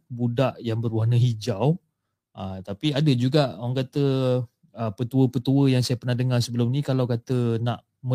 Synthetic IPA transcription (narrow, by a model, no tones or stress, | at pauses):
budaʔjaŋbəɾwanəɦid͡ʒaw | ʔət̪apiadəd͡ʒuɡaʔŋkat̪ə | əpət̪uəpət̪uəjaŋsajapərnahdəŋarsəbəlʊmnikalawkat̪ənaʔ | mə